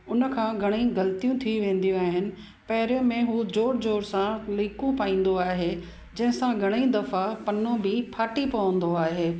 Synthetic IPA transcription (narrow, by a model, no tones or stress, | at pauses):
ʊnə̆kʰãːɡʱɐɽ̃ĩɡɐlət̪ijũt̪ʰiʋẽːn̆d̪ijũaːɦɪnɪ̆ | pɐɦɪɾijəmẽɦuːd͡ʑoːɽd͡ʑoːɽsãliːkũpaːĩːn̆d̪oaːɦe | d͡ʑɐ̃ɦɪ̃sãɡʱɐɽ̃ĩd̪ɐfapɐnõbɪpʰaːʈipɐʋə̃nd̪oaːɦeː